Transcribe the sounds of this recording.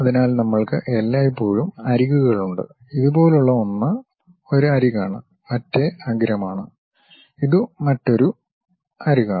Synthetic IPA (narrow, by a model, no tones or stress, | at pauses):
ɐðinaːlnɐmːɐɭkɨʔelːaːjipːo̞ːɻumɐɾiɣuɣɐɭuɳɖɨ̰ | iðubo̞ːleuɭːɐʋɐnːɐ | o̞ɾuɐɾiɣaːɳɨ | mɐtːe̞ɐɡɾɐmaːɳɨ | iðɨmɐtːo̞ɾu | ɐɾiɣaː